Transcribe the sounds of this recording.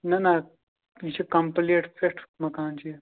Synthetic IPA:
nɐna | it͡ʃʰikɐmpleʈseʈʰmɐkaːnt͡ʃi

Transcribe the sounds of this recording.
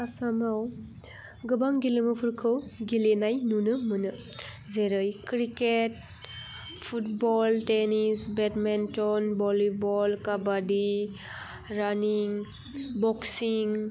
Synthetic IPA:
asamaw | ɡɯbaŋɡileməpʰuɾkʰɯwɡilenajnunɯmɯnɯ | zeɾəjkɾiket̚ | pʰutbɔltenisbetmentɔnbɔlibɔlkabadi | ɾaniŋ | bɔksiŋ

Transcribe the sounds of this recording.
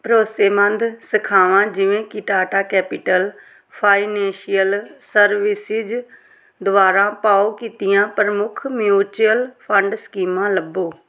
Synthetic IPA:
pɾoːseːmə̃nd̪səkʰaːʋãːd͡ʒɪʋẽːkɪʈaːʈaːkɛːpɪʈəl | pʰaːinɛ̃ːʃɪjəlsəɾʋɪsɪd͡ʒ | d̪ʋaːɾãːpaːokiːt̪ɪjãːpəɾəmʊkʰmjuːt͡ʃuəlpʰə̃ɳɖskiːmãːləboː

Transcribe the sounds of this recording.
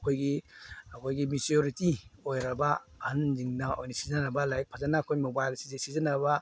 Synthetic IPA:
ɐkʰojɡiɐkʰojɡimisioɾitiojɾɐbɐanziŋnɐojnisizɐnɐbɐlajek̚pʰazanaːkʰojmobajlsizesizɐnɐbɐ

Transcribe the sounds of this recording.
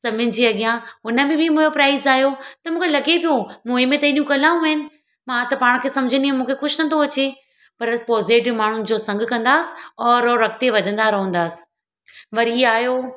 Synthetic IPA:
sɐmʱʊnɪ̆d͡ʑiːɐɠijãɦʊnə̆mẽbʱimũːjopɾaːɪzaːɦijot̪ɐmũːkʰelɐɡepijomũːemẽt̪ɐĩɗijũkɐlaːũɐɦɪnɪ̆ | mãt̪ɐpaːɽ̃kʰeːsɐ̃md͡ʑʱəniɛ̃mũːkʰexʊʃnɐnt̪oɐt͡ɕe | pɐɾpɔːzeːʈmaːɳ̤ʊnɪ̆d͡ʑoːsɐ̃ŋɡ̆ʱkɐ̃nd̪aːsɪ̥ɔːɾːɐk̚t̪eʋɐd̪ʱə̃nd̪aɾɐɦə̃n̆d̪aːsɪ̥ | ʋɐɾiaːɦjoː

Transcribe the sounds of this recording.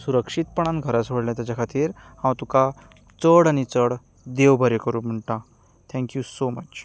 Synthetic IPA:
suɾəkʂit̪̚pəɳ̃ãnɡʱəɾasʋəɽljat̪jat͡ɕakʰat̪iːɾhãwt̪uka | t͡səɽaɽ̃it͡səɽ | d̪eʋbʱəɾekəɾuːm̤əɳʈ̪ã | t̪ʰɛ̃ŋkjusomət͡ɕ

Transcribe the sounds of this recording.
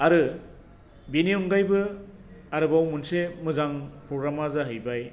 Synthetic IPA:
aɾɯ | beniɔŋɡajbɯ | aɾɯbawmunsemɯzaŋpɾɔɡɾamazaɦɯjbaj

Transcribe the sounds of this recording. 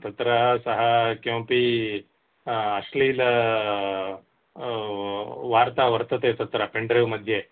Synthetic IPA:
t̪ɐt̪ɾɐsɐɦɐkɐ̃wpi | ɐʂliːlɐ | ʋaːɾt̪aʋɐɾt̪ɐt̪et̪ɐt̪ɾɐpeɳɖɾeʋmɐd̪ʱːje

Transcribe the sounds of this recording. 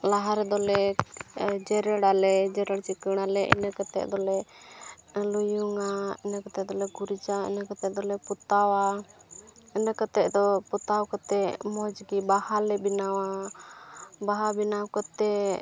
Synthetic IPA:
laɦaɾɛd̪ɔlɛ | d͡ʒɛɾɛɽalɛd͡ʒɛɾɛɽt͡ʃikəɽ̃alɛʔɛ̰nəkət̪ɛ̰ʔd̪ɔlɛ | lujuŋaɛnakət̪ɛd̪ɔlɛɡuɾd͡ʒaɛ̰nakət̪ɛd̪ɔlɛput̪awa | ɛnəkət̪ɛʔd̪ɔput̪awkɔt̪ɛmɔd͡ʒɡibahalɛbinawa | baɦabinawkɔt̪ɛ

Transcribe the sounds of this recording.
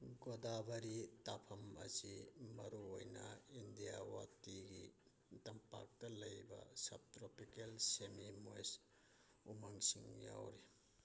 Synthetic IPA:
ɡodabɐɾitapʰɐmɐ̰simɐɾuojnɐindijawatiɡi | tɐmpa̰k̚tɐlɐjbɐ̰sɐ̰b̚tɾopikelsemimojs | umaŋsiŋja̰wɾi

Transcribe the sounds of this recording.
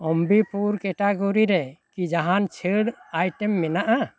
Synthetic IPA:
ɔmbipʰuɾkɛʈaɡɔɾiɾɛkid͡ʒaɦant͡ʃʰeɽajʈɛmːɛnaʔa

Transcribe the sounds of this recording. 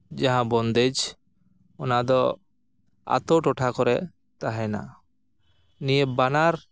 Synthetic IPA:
d͡ʒaɦãbɔnd̪ed͡ʒ | ɔnad̪ɔ | a̰t̪ɔʈɔʈʰakɔɾɛ | t̪aɦɛna̰ | nijebanaɾ

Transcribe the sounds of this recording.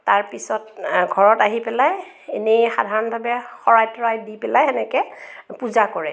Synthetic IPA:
taɹpisɔtɡʱɔɹɔtaɦipɛlaj | enejxadʱaɹɔnbʱabɛxɔɹajtɔɹajdipɛlajɛnɛkɛpuzakɔɹɛ

